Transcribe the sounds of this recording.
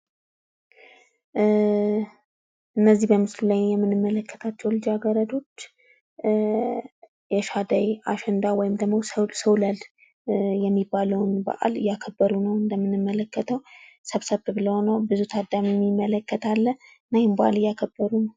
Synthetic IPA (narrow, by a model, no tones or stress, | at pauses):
ʔɨnːəzːihbəmɨslulajjɛmːɨnɨmːələkːə̥t̪ʰat͡ʃːɛwlɨd͡ʒaɡəɾəd̪o̞t͡ʃː | jɛʃad̪ajaʃɛnd̪awɔjɪmd̪əɡmowssəwlal | jɛmːibːaləwnbə̰ʔa̰lɨ̰jːakʰəbːəɾunəwɨnd̪əmːɨnɨmːələkːət̪ʰəwsəβsəβɨβləho̞nəwbɨzut̪ʰad̪ːamiɛmːimːələkːət̪ʰalːə | najɪnbəʔa̰lɨjːakʰəbːəɾunəw